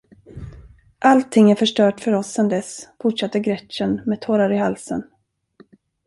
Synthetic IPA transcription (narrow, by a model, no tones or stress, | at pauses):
ʔalt̪ʰɪŋːæɾfœʂʈœːʈfœɾɔsːɛnd̪ɛsfʊʈʂat̪ːəɡɾɛtənmeːd̪̚t̪ʰoːɾaɾɪɦalsə̰n